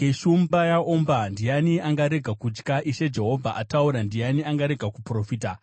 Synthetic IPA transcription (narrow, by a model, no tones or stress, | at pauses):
eʃumbajaombandijaniaŋɡaɾe̞ɡʱakut͡ʃkaʔiʃe̞d͡ʒe̞ɦo̞vʱaʔatauɾandijaniaŋɡaɾe̞ɡʱakupro̞fiːta